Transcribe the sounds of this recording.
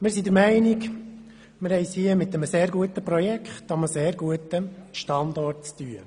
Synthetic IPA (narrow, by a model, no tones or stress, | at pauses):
mɪɾsid̪əɾmæɪnik | mɪɾhɛɪshiəmɪt̪ːəməseːɾɡuət̪əpɾɔjɛkχt̪ɑməseːɾɡuət̪əʃtɑnd̪ɔrtt͡st̪yə